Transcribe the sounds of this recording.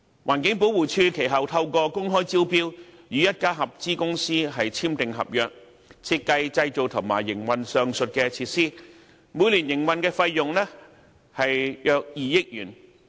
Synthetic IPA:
wʔaː˨˩nkɪ˨˥ŋpo˨˥wuː˨˩t͡ʃʰyː˧kʰe˨˩jɦɐ˨wt̪ʰɐ˧wkɔː˧kʊ˥ŋɦɔː˥jt͡siː˥wpiː˥wjyː˨˧jɐ˥t̚kaː˥ɦɐ˨p̚t͡siː˥kʊ˥ŋsiː˥ɦɐ˨jt͡sʰiː˥mt̪ɪ˨ŋɦɐ̰˨p̚jœː˨k̚ | t͡sʰiː˧t̚kːɐ˧jt͡sɐ˧jt͡so˨wt̪ʰʊ˨˩ŋmaː˨˩jːɪ˨˩ŋwɐ˨nsœː˨ŋsɵ˨t̚kɛː˧t͡sʰiː˧t̚siː˥ | muː˨˧jliː˨˩njɪ˨˩ŋwɐ˨nkɛː˧fɐ˧jːʊ˨ŋlɛː˥ | hɐ˨jjœː˨k̚jiː˨jɪ˥k̚jyː˨˩n

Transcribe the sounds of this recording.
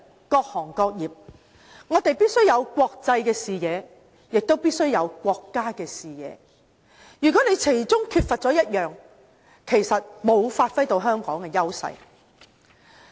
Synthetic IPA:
kɔː˧k̚hɔː˨˩ŋkɔː˧k̚jiː˨p̚ | ŋɔː˨˧t̪e˨jpiː˥t̚sɵ˥ɥjɐ˨˧wkʷɔː˧k̚t͡sɐ˧jkɛː˧siː˨jɛː˨˧ | jɪ˨k̚t̪wpiː˥t̚sɵ˥ɥjɐ˨˧wkʷɔː˧kːaː˥kɛː˧siː˨jɛ̰ː˨˧ | jyː˨˩kʷɔː˨˥ne˨˧jkʰe˨˩jt͡sʊ˥ŋkʰyː˧t̚fɐ˨t̚t͡ʃɔː˨˥jɐ˥t̚jœː˨ŋ | kʰe˨˩jsɐ˨t̚mo˨˧wfaː˧t̚fɐ˥jt̪o˧wɦœː˥ŋkɔː˨˥ŋkɛː˧jɐ˥wsɐ̰˧j

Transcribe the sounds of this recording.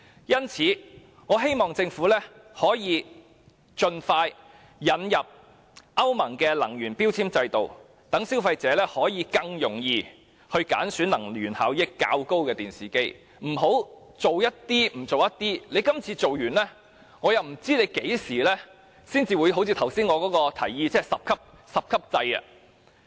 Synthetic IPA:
jɐ˥nt͡sʰiː˨˥ | ŋɔː˨˧ɦe˥jmɔː˨ŋt͡sɪ˧ŋfuː˨˥lɛː˥hɔː˨˥jiː˨˧ | t͡ʃɵ˧nfaː˧j | jɐ˨˧njɐ˨p̚ | ʔɐ˥wmɐ˨˩ŋkɛː˧lɐ˨˩ŋjyː˨˩npiː˥wt͡sʰiː˥mt͡sɐ˧jt̪o˨w | t̪ɐ˨˥ŋsiː˥wfɐ˧jt͡sɛː˨˥lɛː˥hɔː˨˥jiː˨˧kɐ˧ŋjʊ˨˩ŋjiː˧ | hɵ˧ɥka̰ː˨˥nsyː˨˥nlɐ˨˩ŋlyː˨˩nhaː˨˥wjɪ˥kːa̰ː˧wko˥wkɛː˧t̪iː˨˩nsiː˨˩ke˥j | m̩˨˩ɦo˨˥w | t͡so˨wjɐ˥t̚t̪iː˥m̩˨˩t͡so˨wjɐ˥t̚t̪iː˥le˨˧jkɐ˥mt͡sʰiː˧t͡so˨wjyː˨˩nlɛː˥ | ŋɔː˨˧jɐ˨wm̩˨˩t͡siː˥ne˨˧jke˨˥jsiː˨˩lɛː˥ | siː˥nt͡siː˧wuː˨˧jɦo˧˥wt͡sʰi˧t̪ʰɐ˨˩wsiː˥nŋɔː˨˧kɔː˨˥kɔː˧t̪ʰɐ˨˩jjiː˧t͡sɛː˥sɐ˨p̚kʰɐ˥p̚ | sɐ˨p̚kʰɐ˥p̚t͡sɐ˧jɐ̰˧

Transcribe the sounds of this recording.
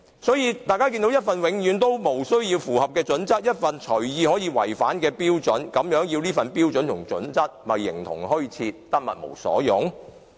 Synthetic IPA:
sɔː˨˥jiː˧t̪aː˨jkaː˥k̬i˧nd̪o˧˥jɐ˥t̚fɐ˨nwɪ˨˥ŋjyː˨˥nt̪o˥wmo˨˩wsɵ˥ɥjiː˧wfuː˨˩hɐ˨p̚kɛː˧t͡sɵ˨˥nt͡sɐ˥k̚jɐ˥t̚fɐ˨nt͡ʃʰɵ˨˩ɥjiː˨hɔː˨˥jiː˨˧wɐ˨˩jfaː˨˥nkɛː˧piː˥wt͡ʃɵ˨˥nkɐ˨˥mjœː˨˥ŋjiː˧wniː˥fɐ˨npiː˥wt͡sɵ˨˥nt̪ʰʊ˨˩ŋt͡sɵ̰˨˥nt͡sɐ˥k̚mɐ˨jːɪ̰˨˩ŋt̪ʰʊ̰˨˩ŋɦɵ˥ɥt͡sʰiː˧t̚t̪ɐ˥t̚mɐ̰˨t̚mo̰˨˩wsɔ̰ː˨˥jʊ˨˥ŋ

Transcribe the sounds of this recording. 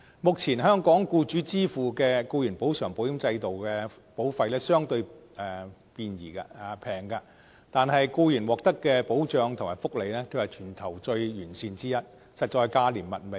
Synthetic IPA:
mʊ˨k̚t͡sʰiː˨˩nɦœː˥ŋkɔː˨˥ŋkuː˧t͡ʃyː˨˥t͡siː˥fuː˨˩kɛː˧kuː˧jyː˨˩npo˨˥wsœː˨˩ŋpo˨˥wji˨˥nt͡sɐ˧jt̪o˨wkɛː˧ | po˨˥wfɐ˧jlɛː˥sœː˥ŋt̪ɵ˧ɥ | ɛː˨piː˧njḭː˨˩ka˧˨˩pʰɛː˨˩ŋka˧ | t̪aː˨nhɐ˨jkuː˧jyː˨˩nwɔː˨k̚t̪ɐ˥kːɛː˧po˨˥wt͡ʃœː˨˧ŋt̪ʰʊ˨ŋmaː˨˩jfʊ˥k̚le˨jlɛː˥k̪ʰo˧whɐ˨jt͡ʃʰyː˨˩nt̪ʰɐ˨˩wt͡ʃɵ˧ɥjyː˨˩nsiː˧nt͡siː˥jɐ˥t̚ | sɐ˨t̚t͡ʃɔː˧jkaː˧liː˨˩nmɐ̰˨n̚me˨˩

